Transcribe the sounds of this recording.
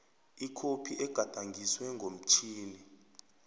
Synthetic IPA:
ikʰopʰiʔɛɡ̥ʱad̥ʱaŋɡʱiswɛŋɡʱom̩t͡ʃʰiːni

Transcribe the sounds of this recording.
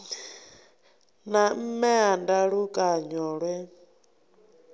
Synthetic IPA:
nam̩mɛandaɺukʼaɲɔːɺwɛ

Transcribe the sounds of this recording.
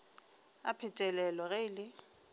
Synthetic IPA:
a̰pʰɛtʼɛlɛlɔɣɛɪlɪ

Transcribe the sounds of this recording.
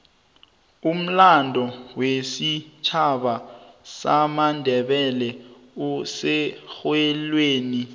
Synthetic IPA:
um̩landʱɔwesit͡ʃʰaɓasamandʱɛɓɛlɛ | usɛxwɛlweːni

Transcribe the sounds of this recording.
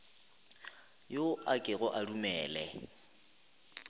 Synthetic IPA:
joakʼɪɣɔʔarumɛːlɛ

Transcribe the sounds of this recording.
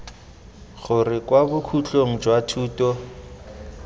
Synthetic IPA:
ɣʊrɪkwabʊkʰut͡ɬʼoŋ̩d͡ʒwatʰuːtʼɔ

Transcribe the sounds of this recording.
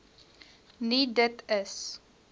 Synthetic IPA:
nidətəs

